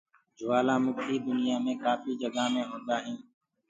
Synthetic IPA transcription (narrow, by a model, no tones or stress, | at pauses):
d͡ʒʊʋaːlãːmʊkiːd̪ʊnɪjaːmẽːkaːfiːd͡ʒəɡaːmẽːɦõːnd̪aːɦɛ̃ː